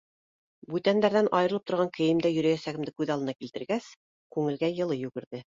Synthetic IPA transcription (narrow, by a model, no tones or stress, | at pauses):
bʉt̪ænd̪æɾðænʔɑjɤ̆ɾɤ̆lˠɤ̥pt̪ŏɾʁɑŋkɘ̆jɘ̆md̪æjɵ̆ɾæjæsæɡɘ̆md̪ɘkʉðɑlˠɤ̆nɑkilt̪ɘ̆ɾɡæs | kʉŋɘ̆lɡæjɤ̆lˠɤjʉɡɘ̆ɾðɘ